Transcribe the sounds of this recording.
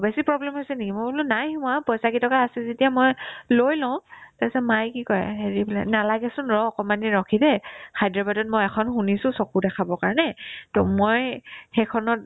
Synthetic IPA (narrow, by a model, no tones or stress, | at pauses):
besipɹɔblɛmhojsɛnikimojbulʊ̃najhũapɔjsakitɔkaːsɛzetiamojlojlɔʊ̃tasɛmajkikɔjɛ̰ɦeɹibulɛ̰nalaɡɛsʊnɹɔɔkɔmaniɹɔkʰidɛkʰajdɹɔbadɔt̚mɔjɛkʰɔnxunisʊ̃sɔkudɛkʰabɔkaɹnɛtɔmojxekʰɔnɔt̚